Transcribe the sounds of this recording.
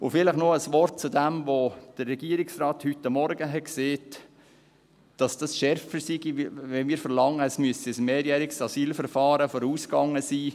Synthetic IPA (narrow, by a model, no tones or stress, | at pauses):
ʊfɪləχnoəsʋɔɾt̚t͡sudɛmvod̥ərːɛɡiːəɾɪksrɑːthytːɑmːɔɾɡəɦɛtkseːt | d̥ɑsd̥ɑsʃɛɾfəsiɡiʋɛnmiːɾfəɾlɑŋːəɛsmyəsɛsmeːɾjɛːɾɪksɑsiːlfəɾfɑːɾəfɔɾuːskɑŋːəsiː